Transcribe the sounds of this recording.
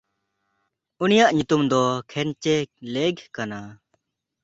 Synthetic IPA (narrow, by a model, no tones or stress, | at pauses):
unijaʔɲut̪umd̪ɔkʰɛnt͡ʃɛleɡkana